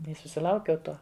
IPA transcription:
ɪ sʊsʲɪˈlˠɐʊkʲɛʊ ˈtuɔ

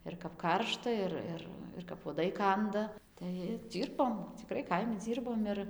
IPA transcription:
ɪr kɐp ˈkɐrʃtɐ ˈɪr ˈɪr ɪr kɐp uɔˈdɐɪ ˈkɐndɐ tɐɪ ɪr ˈd͡zʲiːrboːm t͡sʲɪˈkrɐɪ ˈkɐɪmʲɪ ˈd͡zʲiːrboːm ɪr

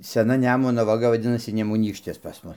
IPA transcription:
sʲɛˈnɐ ˈnʲæːmʊnoː ʋɐˈɡɐ ʋɐˈdʲɪnɐsʲɪ nʲɛmʊˈnʲiːkʃʲtʲɪs pɐs ˈmʊs

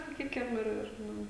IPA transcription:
sɐˈkʲiːkʲɪm ˈɪr ˈɪr ˈnʊ

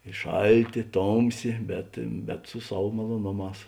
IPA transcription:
ɪ ˈʃɐlʲˌtʲeː ˈtoːmʲˌsʲeː bʲɛt bʲɛt sʊ ˈsɐw mɐlˠoːˈnoːˌmɑːs

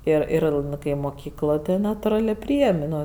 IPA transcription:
ˈɪr ˈɪr ˈnʊ kɐɪ moːˈkʲiːklˠoːj tɐɪ nɐtʊˈrɑːlʲeː ˈpʲrʲiːeːmʲ ˈnoː

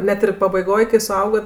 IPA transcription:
ˈnʲɛt ɪr pɐbɐɪˈɡoːj kɐɪ sʊˈɐʊɡɐt

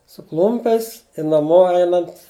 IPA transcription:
sʊ ˈklˠʊmʲpʲɛɪs ɪ nɐˈmoː ˈɛɪnɐnt

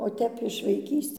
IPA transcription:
oː ˈtʲɛp ɪʃ ʋɐɪˈkʲiːsʲ

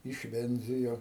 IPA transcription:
ɪʃʲˈʋʲɛnʲd͡zʲɪjoː

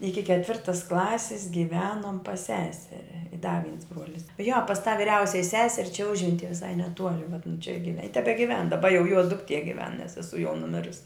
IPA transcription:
ˈɪkʲɪ kʲɛtʲˈʋʲɪrtɐs ˈklˠɑːsʲɪs ɡʲɪˈʋʲæːnoːm pɐs ˈsʲæːsʲɛrʲɛ ɪ dɐ ʋʲiɛns ˈbruɔlʲɪs joː pɐs tɑː ʋʲɪˈrʲɛʊsʲɛj ˈsʲæːsʲɛrʲ t͡ʃʲɛ ˈʊʒʲʋʲɛnʲtʲiɛ ʋʲɪˈsɐɪ nʲɛˈtuɔlʲɪ ʋɐt nʊ t͡ʃʲɛ ɡʲɪʋʲɛ ɪ tʲɛbʲɛɡʲɪˈʋʲɛn dɐˈbɐ jɛʊ juɔ dʊkˈtʲiɛ ɡʲɪˈʋʲɛn nʲɛs sʲɛˈsuɔ jɛʊ nʊˈmʲɪrʊsʲ

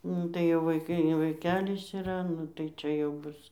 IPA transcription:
ˈnʊ tɐɪ jɛʊ ʋɐɪˈkɐɪ ɡʲɪ ʋɐɪˈkʲæːlʲɪs ɪˈrɐ ˈnʊ tɐɪ ˈt͡ʃʲɛ jɛʊ ˈbʊs

